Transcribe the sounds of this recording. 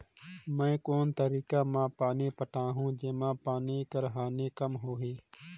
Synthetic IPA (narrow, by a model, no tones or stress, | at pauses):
mɛ̃ːkoːnt̪əɾiːkaːmãːpaːniːpəʈaːɦũːd͡ʒeːmãːpaːniːkəɾɦaːnẽːkəmɦoːɦeː